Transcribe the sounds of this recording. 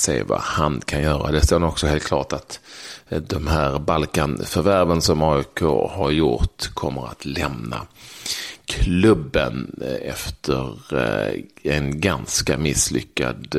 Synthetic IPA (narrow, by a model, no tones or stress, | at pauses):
sḛːva̰hankʰanjœːɾa̰d̪ɛst̪oːd̪ɔksɔheːlt̪kʰlɑːʈat̪ | d̪ɔmɦæːɾbalkanfœɾvæɾvənsɔmɑːʏkʰo̰ːhaɾjʊɾʈkʰɔmːəɾa̰t̪lɛmna̰ | kʰlɵbːə̰nɛft̪ʰəɾ | ɛnɡanskamɪslʏ̰kːa̰d̪